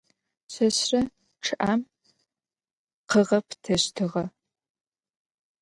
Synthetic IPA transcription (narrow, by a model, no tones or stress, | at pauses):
ɕɐɕrɐ | ʈ͡ʂʰɨʔaːm | qəʁɐptʰɐɕtʰɨʁɐ